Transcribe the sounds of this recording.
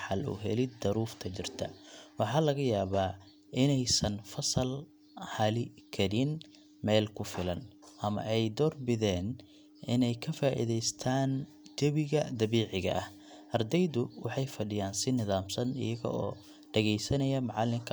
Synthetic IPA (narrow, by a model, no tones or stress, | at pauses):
ħɑlʔʊ̰ɦɛ̰lɪd̪̚ːɐɾuːft̪ʰɐt͡ʃɪrt̪ʰɐ̰wɑħɑːlɐɣɐjaːβaː | ʔɪnɛjsɐnfɐsɐl | hɐlɪkʰɐɾɪn | mɛːlkʰʊfɪlɐnʔɐmɐ̰ʔɛjd̪ɔːrbɪðɛːn | ʔɪnɛjkʰɐfaːʔɪ̰ðɛjst̪ʰaːn | d͡ʒɐβɪɣɐd̪ɐβɛːʕɪɣɐ̰ʔɐh | ʔɐrd̪ɛjðʊwɑħɑjfɐɖɪjaːnsɪnɪðaːmsɐnɪ̰jɐɣɔ̰ʔɔ̰ː | ɖɐɣɛjsɐnɐjɐmɑʕɑlːɪŋkʰɐ